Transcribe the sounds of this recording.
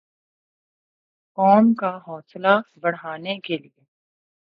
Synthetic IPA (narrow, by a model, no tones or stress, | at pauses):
kɔːmkaɦɔːslabɐɽɦaːnekelieː